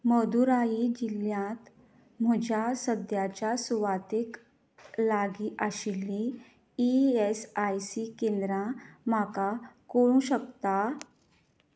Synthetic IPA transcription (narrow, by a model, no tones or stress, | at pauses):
məd̪uɾaid͡ʑiljãt̪ | m̤əd͡ʑʱjasəd̪jat͡ɕjasuʋat̪ik | laɡiːʔaɕilːiː | esajsikend̪ɾãm̤akakoɽ̃ũːɕəkt̪a